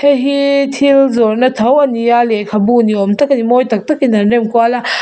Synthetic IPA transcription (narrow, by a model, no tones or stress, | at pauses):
hʰeɦitʰilzɔɾnɐt̪ʰɐwɐnijalekʰabuniɔmtɐkɐnimojtɐk̚tɐkinɐɾnemkuala